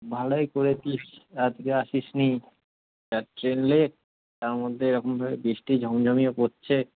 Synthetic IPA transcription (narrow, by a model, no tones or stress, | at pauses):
bʱalojkoɾet̪iʃad͡ʑkeaʃiʃni | taɾʈɾenle | t̪aɾmod̪ʱːeeɾɔkʰombʱabebiʃʈid͡ʑʱɔmd͡ʑʱomiopot͡ɕʰe